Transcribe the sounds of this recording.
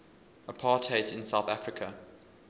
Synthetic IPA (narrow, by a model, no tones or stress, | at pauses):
əpʰɑːˑtʰeɪtʰɪ̃nsaʊθafɹɪkʰə